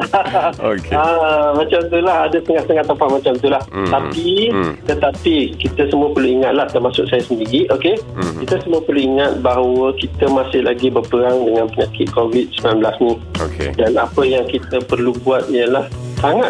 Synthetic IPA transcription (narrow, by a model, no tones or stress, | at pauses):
kəmat͡ʃamt̪ulahadast̪əŋahst̪əŋat̪ːəmpaʔmat͡ʃamt̪ulaht̪apit̪ət̪apikit̪əsəmuəpərluiŋat̪̚laht̪ərmasʊk̚sajasəndiɡiʔokekit̪əsəmuəpərluiŋat̪̚baɦwəkit̪əmasɪhla̰ɡibərpəɾaŋdəŋãnpəɲakɪt̪̚kovit̪̚səmilanbəlasnĩ | okḛdanapəjaŋkit̪əpərlubuat̪̚ijəlahsaŋat̪